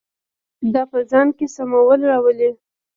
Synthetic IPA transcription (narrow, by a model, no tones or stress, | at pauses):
d̪ɑpəzɑnkesamawəlɾɑwəle